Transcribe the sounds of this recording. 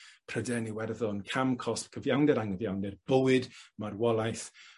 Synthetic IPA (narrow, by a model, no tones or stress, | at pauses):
pʰrədɛniwɛrðɔnkʰamkʰɔspkʰəvjawndɛɾaŋəvjawndɛrb̥əwɨdmarwɔlˠajθ